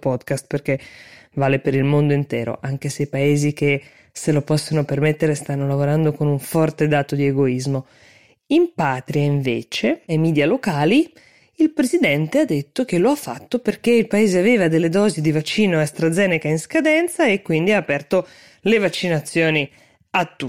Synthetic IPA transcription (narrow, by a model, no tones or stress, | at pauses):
pɔd̪kast̪̚perk̟evaːlepeɾilmond̪oint̪ɛ̰ːɾo̰ʔaŋkeseipaeːzik̟e | selopɔsːonopermet̪ːeɾest̪anːolavoɾand̪okonuɱfɔrt̪ed̪aːt̪od̪ieɡoizmo | impaːt̪ɾiaiɱveːt͡ʃeemiːd̪jalokaːli | ilpɾezid̪ɛnt̪ead̪ːet̪ːok̟eloafːa̰t̪ːoperkeilpaeːzeaveːvad̪elːed̪ɔːzid̪ivat͡ʃːiːnoast̪ɾad̪zɛːnekainskad̪ɛnt̪saekːwind̪iaːpɛrt̪o | levat͡ʃːinat̪sːjoːni | at̪ːu